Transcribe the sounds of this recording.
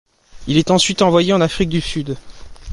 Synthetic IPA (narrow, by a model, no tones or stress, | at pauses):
ilɛt̪ɑ̃sɥit̪ɑ̃vwajeɑ̃nafχik̚d̪ysyd̪